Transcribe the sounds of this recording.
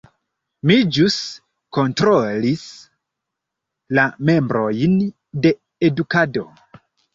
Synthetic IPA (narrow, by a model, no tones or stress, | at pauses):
mid͡ʒus | ko̞ntɾo̞lis | lame̞mbɾo̞jn | de̞ː | dukado̞̰